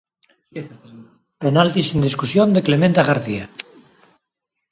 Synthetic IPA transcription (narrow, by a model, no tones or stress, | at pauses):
penalt̪isind̪iskusjond̪eklemẽnt̪aɣaɾθia